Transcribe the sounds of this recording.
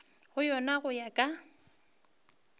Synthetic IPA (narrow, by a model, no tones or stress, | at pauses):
ɣʊjɔnaɣʊjakʼa